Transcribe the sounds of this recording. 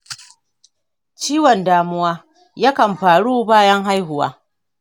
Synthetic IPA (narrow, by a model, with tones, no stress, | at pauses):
t͡ʃiː˦wɔ˨ndaː˦mʊ˦waː˦ | jaː˦kɐ˨mɸaː˨ɽuː˦baː˦jɐ˦ŋɦa˦jɦʊ˨wa̰ː˦